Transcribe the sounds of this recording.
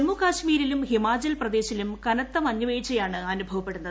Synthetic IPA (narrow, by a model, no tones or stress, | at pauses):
emːukaːɕmiːɾilumhimaːd͡ʑɐlprɐd̪e̞ːɕilumkɐnɐt̪ːɐmɐɲːuʋeːt͡ɕːɐjaːɳɨanubʱɐʋɐpːe̞ɽunːɐðɨ